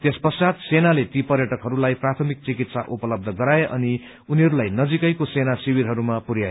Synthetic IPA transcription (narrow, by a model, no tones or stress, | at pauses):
t̪espʌsad̪senalet̪ipʌrjʌʈʌkɦʌɾulajprat̪ʰʌmik̚t͡sikit̪saʔupʌlʌb̚d̪ʱʌɡʌɾaeʔʌ̰ni | uniɦʌɾulajnʌd͡zikʌjkosenasiwiɾɦʌɾumapuɾja